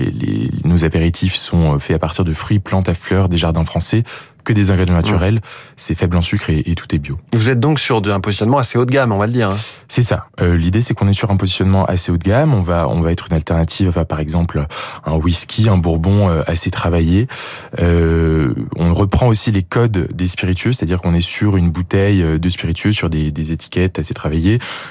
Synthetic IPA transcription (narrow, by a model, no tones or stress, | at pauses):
ḛlḛnozapeʁit̪ʰifsɔ̃fɛapaʁt̪iʁd̪əfχɥiplɑ̃t̪aflœʁd̪eʒaʁd̪ɛ̃fχɑ̃sɛ | kəd̪ezɛ̃ɡʁed̪jɑ̃nat̪yʁɛlsɛfɛblɑ̃sykχeʔet̪ʰu̥t̪ɛbjovuzɛt̪̚d̪ɔ̃ksyʁd̪ɛ̃pozisjɔnmɑ̃aseot̪ɡamɔ̃valəd̪iːʁɛ̃sɛsaølid̪esɛkɔ̃nɛsyʁɛ̃pozisjɔnmɑ̃ʔa̰seot̪ɡʲamɔ̃vaɔ̰̃vaɛt̪χynalt̪ɛʁnat̪ʰivɑ̃fɛpaʁɛɡzɑ̃pløɛ̃wiskʲʰiɛ̃buʁbɔ̃øaset̪χavaje | ø | ɔ̰̃ʁəpχɑ̃osilekɔd̪ːespiʁit̪ɥøs̬e̥t̪ad̪iʁkɔ̃nɛsyʁynbut̪ɛjød̪əspiʁit̪ɥøsyʁd̪ed̪ezet̪ʰi̥kʲɛt̪aset̪χavaje